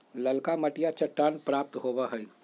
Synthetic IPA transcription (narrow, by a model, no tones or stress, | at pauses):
lɐlkamɐʈijat͡ʃɐʈːaːnpɾaːp̚t̪ɦoːbaɦɛi